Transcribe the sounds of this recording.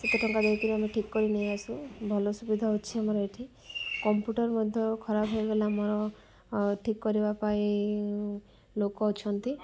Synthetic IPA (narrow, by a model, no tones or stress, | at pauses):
set̪eʈʰɔŋkad̪ek̪iɾiameʈʰikːɔɾinejasubʱɔlɔsubid̪ʱaɦut͡ʃʰiamɔɾɔeʈʰi | kɔmpjuʈɔɾmɔd̪ʱjɔkʰɔɾabʱɦejbelamɔɾɔ | ʈʰikːɔɾibapae | lokɔːt͡ʃʰɔnt̪i